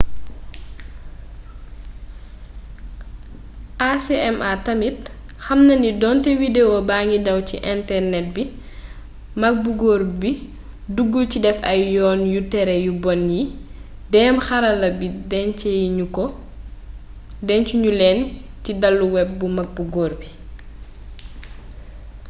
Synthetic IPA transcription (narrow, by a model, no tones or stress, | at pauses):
ʔaseʔɛmʔatɐmit̚ | xɐmnɐnidɔntɛwidewobaːŋɡidɐwt͡ʃḭʔɛntɛrnɛt̚bi | mɐk̚buɡɔːɾbi | duɡːulcidɛfɐjjɔːnjutɛɾɛjubɔnji | dɛːmxɐɾɐlɐbidɛnt͡ʃɛjɲukɔ | dɛnt͡ʃuɲulɛntidɐlːuwɛb̚ːumɐk̚buɡɔːrbi